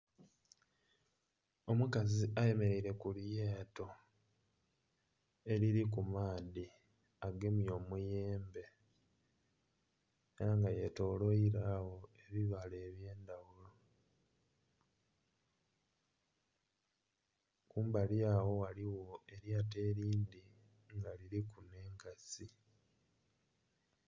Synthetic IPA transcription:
omukaziaje̞me̞ɾeiɾe̞kuljeːto̞ | e̞ɾiɾik̬umaːdi | aɡe̞mjo̞ːmujeːmbe̞ | eɾaŋɡaje̞to̞ːlo̞iɾaːwo̞e̞βiβale̞ːβje̞ːndawulo | kuːmbaljaːwo̞waliwo̞e̞ɾjaːte̞ːɾiːnd̪i | ŋɡaliɾikune̞ːŋkasi

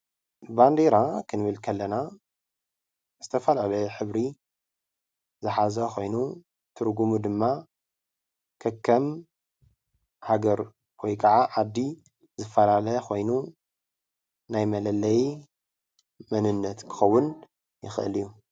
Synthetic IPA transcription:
band̪eɾakʰɨnɨβɨlkʰɐlːɐna | zɨt̪ʰɐfɐlalɐjɛħɨβɾi | zɨħazɐxo̞jnu | t̪ʰɨɾɡumud̪ɨmːa | kʰɐkʰːɐm | haɡɐɾ | kojkʼʰɐʕaʔad̪ːi | zɨfːɐlalɐxo̞jnu | najmɐlɐlːɐj | mɐnɨnːɐt̪kʰɨ̥xɐwːʊn | jɪ̰xʔɨ̰lijːu

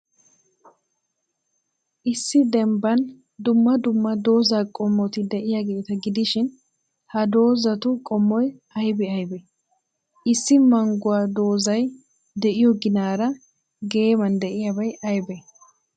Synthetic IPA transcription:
ʔɪsːɪd̪ɛmbɐn | d̪ʊmːɐd̪ʊmːɐd̪o̞ːzaːkʼɔmːɔt̪ɪd̪ɛʔɪjaɡe̞ːt̪ɐɡɪd̪ɪʃɪn | hɐd̪o̞ːzɐt̪ʊkʼɔmːɔjɐjbɛɐjbɛ | ʔɪsːɪmɐŋɡʊwaːd̪o̞ːzɐj | d̪ɛʔɪjɔɡɪnaːɾɐ | ɡe̞ːmɐnd̪ɛʔɪjɐbɐjɐjbɛ

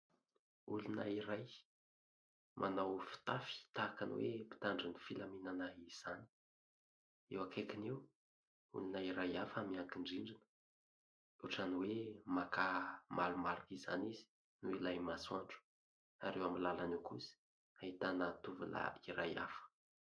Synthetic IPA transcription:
ulunə̰iɾaj | mʔanawfi̥t̪afi̥t̪akan̰wḛpi̥t̪aɳɖ͡ʐinifilaminanaiz̥ani̥ | ewakekinew | ṵlunəiɾajafəmiaŋkiɳɖ͡ʐiɳɖ͡ʐinə̥ | uʈ͡ʂaniwemakamalumaɾikiza̰nizi̥ | nuilajmasuaɳʈ͡ʂu̥ | a̰ɾewamilalanewkusi̥ | ait̪anat̪uvṵla̰iɾaja̰fə̥

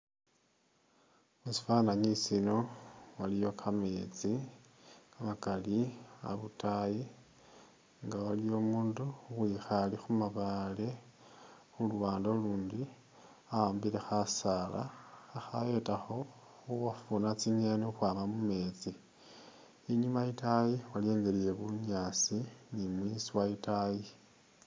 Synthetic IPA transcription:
musi̥fanaɲisino̞walijo̞kʰame̞ːt͡si | amakalia̰βutaji | ŋɡawalijomuːnduxwixalixumaβale̞ | xulwaːndoluːndi | aaːmbiɾe̞xasala̰ːxajetaxo̞ | uwafunat͡siɲeneuxwaːmamume̞t͡si | iɲumaitajiwalje̞ːŋɡelije̞βuɲasinimwisiwaitaji

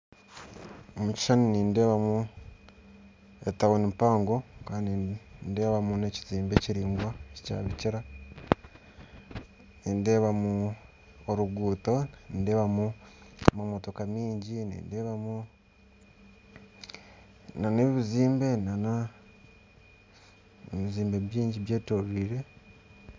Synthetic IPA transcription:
omuci̥ʃaniniːnde̞ːβamu | etawonimpaːŋɡo̞kaːndinde̞ːβamuneciziːmbe̞ciɾiːŋɡwacica̰ːβiciɾa | niːnde̞ːβamu | oɾuɡuːto̞nindeːβamumumotokamiːɲɟinḭndeːβamu | naneβiziːmbe̞nana | eβiziːmbe̞βjiːɲɟiβjeːtoɾiːɾe̞

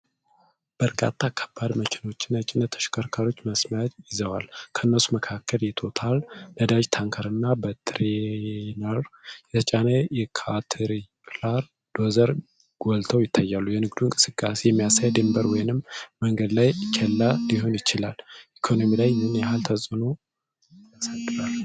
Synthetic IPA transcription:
b̥əɾkʼa̰t̪ʰːakʰə̥bːad̪mət͡ʃʰɛno̞t͡ʃːɪnːət͡ʃʼːɪnːət̪ʰːə̥ʃkʰəɾkʰaɾo̞t͡ʃːməsmət̪jɪzəwa̰lkʰəʔɨnːəsuməkʰakʰːəljɛt̪ʰo̞t̪ʰaldəd̪ad͡ʒt̪ʰaŋkʰəɾɨnːabət̪ʰɾenəɾjɛt̪ʰət͡ʃʼanəjɛkʰat̪ʰɾipʼlaɾ | d̪̥o̞zəɾ | ɡ̥olt̪ʰəwjɪt̪ʰːajːalːujɛnɨɡd̪uɪŋkʼɨsɨkʼːasejɛmːijasajd̪ɨmbəɾwɔjnɨmməŋɡəd̪lajkʰelːaliɦo̞njɪt͡ʃɪlalʔikʰo̞no̞milajnɨnjɛɦalt̪ʰəsʼɨno | əsəd̪ɨbal

